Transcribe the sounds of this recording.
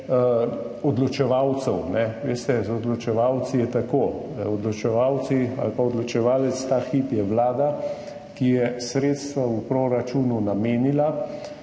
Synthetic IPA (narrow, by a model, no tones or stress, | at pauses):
ɔd̪lɔt͡ʃɛʋawt̪sɛwnɛʋeːst̪ɛɔd̪lɔt͡ʃɛʋawt̪sijɛt̪akoː | ɔd̪lɔt͡ʃɛʋawt̪sia̰lpaɔd̪lɔt͡ʃɛʋaːlɛt̪st̪aːxipjɛʋlaːd̪a | kijɛsɾeːt̪st̪ʋaupɾoɾat͡ʃununameːnila